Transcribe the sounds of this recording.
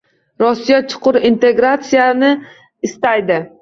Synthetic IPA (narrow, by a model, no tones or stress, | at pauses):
ɾɒsːijat͡ʃʰʊ̥qʊɾint̪ʰe̞ɡɾat̪sijanɪ | ɪst̪ajd̪ɪ